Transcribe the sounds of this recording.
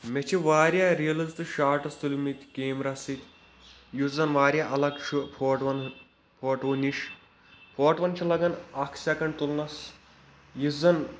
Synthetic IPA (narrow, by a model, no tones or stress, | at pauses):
met͡ʃʰiʋaːɾjaːɾijɐlɐzt̪ɨʃaːʈɐst̪ulʲimit̪ʲkeːmɾɐsit̪ʲ | juzɐnʋaːɾjaːʔɐlɐkt͡ʃʰupʰoːʈʋɐn | pʰoːʈʋunʲiʃ | pʰoːʈʋɐnt͡ʃʰɐlɐɡɐnɐkʰsʲɐkɐɳɖt̪ulnɐs | juzɐn